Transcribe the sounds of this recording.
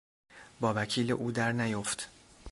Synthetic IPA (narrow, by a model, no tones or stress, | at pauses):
bɒːvæcʰiːleʔuːd̪æɾnæjoft̪